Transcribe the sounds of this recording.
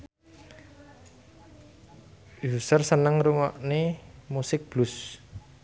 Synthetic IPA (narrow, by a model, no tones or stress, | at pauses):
jusərsənəŋruŋɔʔnemusɪk̚b̥lus